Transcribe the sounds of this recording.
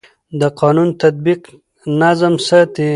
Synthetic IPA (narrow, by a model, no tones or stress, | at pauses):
d̪əqɑːnunt̪at̪̚biq | nazəmsət̪i